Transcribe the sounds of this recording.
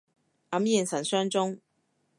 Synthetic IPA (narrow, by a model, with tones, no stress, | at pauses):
ɐ˨˥mji˥˨˩nsɐ˨˩nsœː˥ŋt͡sʊ˥ŋ